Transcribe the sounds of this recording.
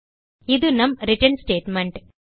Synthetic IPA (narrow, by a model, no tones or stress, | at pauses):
id̪unɐmɾiʈɐnsʈeːʈmeɳʈ